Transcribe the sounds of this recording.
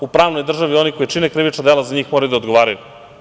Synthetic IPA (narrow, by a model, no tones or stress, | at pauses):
upɾaːʋnojd̪r̩ʒaʋio̞nikojet͡ʃinekɾiʋit͡ʃnad̪elazaɲiːxmoɾajud̪aod̪ɡo̞ʋaːɾaju